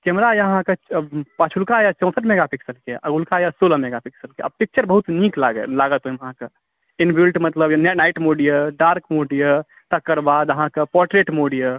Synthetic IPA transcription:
kɛmɾajɦãkepat͡ʃʰulkajat͡ʃɔ̃w̃səʈmeɡapʰiksəlkeʔəɡulkajasoləmeɡapʰiksəlkea̰bpik̚t͡ʃəɾbəɦut̪niklaɡə̰laɡət̪oiməɦãke | inbilʈmət̪ləbjannaiʈmoɽijəɖaɾkmoɖijə | t̪əkːəɾbad̪əɦãkepɔɾʈɾeʈmoɽijə

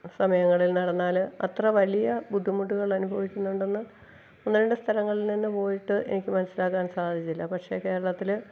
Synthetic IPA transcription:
sɐmɐjɐŋːɐɭilnɐɽɐnːaːlɐ̰t̪rɐʋɐlijɐbuɖ̪ʱːumuʈːuɣɐɭɐnubʱɐʋikʲːunːuɳɖe̞nːɨ | onːuɾeɳɖɨst̪ʰɐlɐŋːɐɭilninːepo̞ːjiʈːɨʔe̞̰nikʲːɨmɐnɐsːilaːkːaːnsaːd̪ʱit͡ɕːilːɐpɐʈʂe̞̰ːke̞ːɾɐɭɐt̪ːil

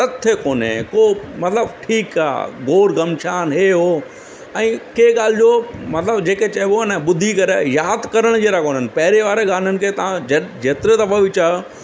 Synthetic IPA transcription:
t̪ɐt̪ʰːekoːnḛ̃koːmɐt̪ləbʈʰiːka̰ːɡoːɾɡɐmʃaːnɦeːɦoː | ɛ̃ːkeːɠaːl̤ɪd͡ʑoːmɐt̪ləbd͡ʑeːket͡ɕɐɦɪʋonɛɓʊd̪ʱikɐɾejaːd̪kɐɾəɽ̃d͡ʑeːɾakoːnənɪ̆pɐɦɪɾeʋaːɾeɠaːn̤ənɪ̆kʰeːt̪ɐʋãd͡ʑeːt̪ɾed̪ɐbɐʋɪt͡ɕa

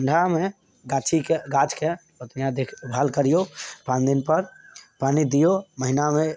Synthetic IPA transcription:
əɳɖʱame | ɡat͡ʃʰikeɡat͡ʃkepət̪nijãd̪ekʰbʱaːlkəɾijopãnd̪inpəɾpaːnid̪ijoməɦiname

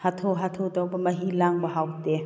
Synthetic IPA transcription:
hatʰoɦat̪ʰodɐwbɐmɐɦilaŋbɐɦawte

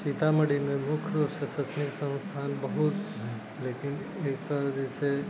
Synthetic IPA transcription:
sit̪ʰaməɽimẽmʊkʰːjɾupsəsət͡ʃniksə̃nst̪ʰanbəɦut̪ɦɛ | lekɪn | eːkt̪əɾd͡ʒet͡ʃʰe

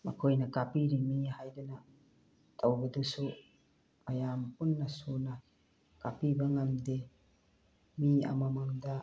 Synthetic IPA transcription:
ma̰kʰojnakapiɾimihajdena | tʰawbɐdusu | majampunːasona | kapibaŋamde | mia̰mamaŋda

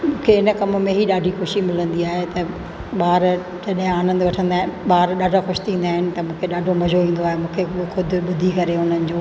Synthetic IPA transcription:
mũːkʰeɪnəkɐmʊ̆mẽɦiɗaːɖʱixʊʃimɪlə̃nd̪iaːɦet̪ɐ | ɓaːɾ | d͡ʑɐɗɦɪ̃aːnə̃nd̪ʋɐʈʰə̃nd̪aːɦɪnɪɓaːɾɗaːɖʱaxʊʃɪ̥t̪ʰĩːnd̪aːɦɪnɪ̆t̪ɐmũːkʰeɗaːɖʱomɐd͡ʑʱoʋĩːn̆d̪oaːɦemũːkʰexʊd̪ʱʊ̆ɓʊd̪ʱikɐɾeɦʊn̤ənɪ̆d͡ʑoː

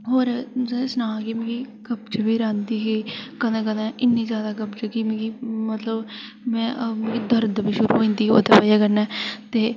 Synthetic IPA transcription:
ɦoːɾɛːssnãːkimĩːkiːkəbt͡ʃbiːɾãːnd̪iːɦiːkəd̪ãːkənãʔɪnːiːzjaːd̪aːkəbt͡ʃəkimĩːkiːmət̪ləb | mɛ̃ːmẽkid̪əɾd̪biːʃʊɾṵːɦoĩːnd̪iːo̰ːt̪eːpəjaːkəɾnɛːt̪eː

